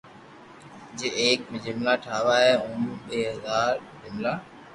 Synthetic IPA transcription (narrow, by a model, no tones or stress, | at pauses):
d͡ʒeːʔeːkmɪd͡ʑɪmlaːʈʰaːʋaːɦeːʊmɓeːɦɐzaːɾdɪmlaː